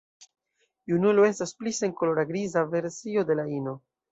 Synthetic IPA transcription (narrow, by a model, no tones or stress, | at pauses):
junulo̞e̞stasplise̞ŋko̞lo̞ɾaɡɾizave̞ɾsio̞de̞laino̞